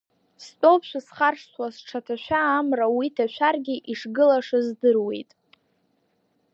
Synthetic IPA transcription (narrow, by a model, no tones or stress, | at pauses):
stʼowpʰʃʷᶣasχarʂsʰwasʈ͡ʂʰatʰaʃʷᶣaːmrawitʰaʃʷᶣarɡʲiʔiʂɡɨlaʂɨzdɨrwe̞̰jtʼ